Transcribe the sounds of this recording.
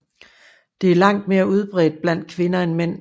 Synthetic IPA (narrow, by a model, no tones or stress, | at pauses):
d̥e̝æɐlɑ̈ŋ̰d̥̚me̝ːɐuð̞ˠb̥ʁɛ̰ːd̥̚b̥læn̰d̥̚kʰʋe̝nɐenmen̰